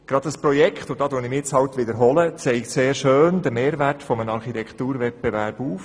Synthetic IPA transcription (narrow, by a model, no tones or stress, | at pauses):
ɡ̥ɾɑd̥̪əspɾɔjɛkχt̪ʊd̪ɑːdoənɪmɪt͡shɑwt̪ʋɪdəɾɦɔlət͡sɛɪkseːɾʃøːnd̪əɾmeːɾʋærtfɔmənɑɾχitʰɛkχt̪uːɾʋɛt̚b̥ɛʋæɾb̥uːf